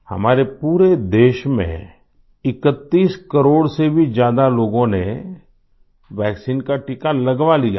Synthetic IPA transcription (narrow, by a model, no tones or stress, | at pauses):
hɐ̰maːɾepuːɾed̪eːʃmḛ̃ | ɪkət̪ːiːskɐɾoːɽsebʱid͡ʒjaːd̪aloːɡõne | ʋɛːksiːnkaʈɪkalɐɡʋalija̰